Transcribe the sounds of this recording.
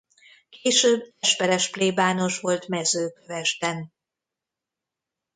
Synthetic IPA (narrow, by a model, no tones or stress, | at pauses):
keːʃøːbːɛʃpɛɾɛʃpleːbaːnoʃʋo̞lt̪mɛzøːkøvɛʒd̪ɛn